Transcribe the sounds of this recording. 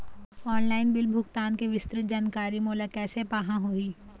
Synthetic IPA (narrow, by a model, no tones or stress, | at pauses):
ɔːnlaːɪnbɪlbʱʊɡt̪aːnkeʋɪst̪ɾɪt̪̚d͡ʒaːnkaːɾimoːlakɛːsepaːɦãɦoiː